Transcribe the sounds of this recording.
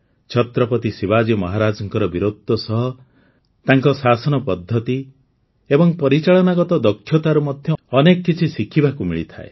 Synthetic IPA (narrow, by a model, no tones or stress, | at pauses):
t͡ʃʰɔt̪ɾɔpɔt̪isibad͡ʒɔmɔɦaɾad͡ʒɔŋkɔɾɔbiɾod̪ʱːɔsɔɦɔ | t̪aŋkɔsasɔnɔpɔd̪ʱːɔt̪i | ebɔŋpɔɾit͡ʃaɭɔnaɡɔt̪ɔd̪ɔkʰːjɔt̪aɾumɔd̪ʱjɔːnekɔkːit͡ʃʰisikʰibakumiɭit̪ʰa̰ḛ